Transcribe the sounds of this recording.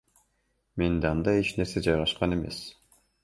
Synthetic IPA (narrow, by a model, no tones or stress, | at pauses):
me̞nd̪eɑnd̪ɑjet͡ʃne̞ɾsed͡ʒɑjʁɑʃqɑne̞me̞̰s